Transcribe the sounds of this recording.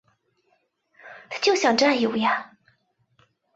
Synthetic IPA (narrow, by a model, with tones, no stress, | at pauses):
t̪ʰa˥˩t͡ɕjo˥˩ʊɕjɑ˨˩ŋʈ͡ʂa˥˩jo˨˩ja˥˩